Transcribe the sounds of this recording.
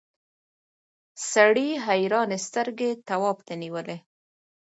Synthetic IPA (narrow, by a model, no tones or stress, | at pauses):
saɽiɦajɾɑnest̪əɾɡet̪awɑbt̪aniwəle